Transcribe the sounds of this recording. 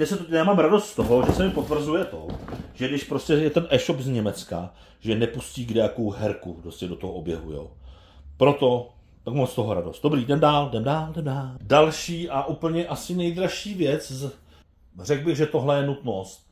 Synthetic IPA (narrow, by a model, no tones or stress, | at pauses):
ɲɛsɛt̪ojaːmaːmɾadost̪st̪oɦoʒɛsɛmɪpo̞t̪vr̩zujɛt̪o̞̰ʒ̥ɛɡdɪʃpɾo̞scʲɛjɛt̪ɛnʔɛːʃopzɲɛmɛt͡ska | ʒɛnɛpusciːɡdɛjako̞wɦɛɾkupɾoscɛdo̞t̪oɦoʔobjɛ̰ɦṵjo̰ | pɾo̞t̪o | t̪akmost̪oɦoɾa̰do̞st̪̚d̥obɾiːdɛmdaːldɛmdaːldɛmdaːldalʃiːʔaʔupl̩ɲɛʔasɪnɛjd̪ɾaʃiːvjɛt͡sz | r̝ɛɡ̚bɪɣʒɛt̪o̞ɦlɛjɛnut̪nost̪̚